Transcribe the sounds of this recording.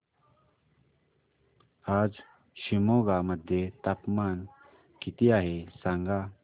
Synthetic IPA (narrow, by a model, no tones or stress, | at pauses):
aːd͡z | ɕimoːɡaməd̪ʱjet̪apmaːn | kit̪iaːɦesaŋɡa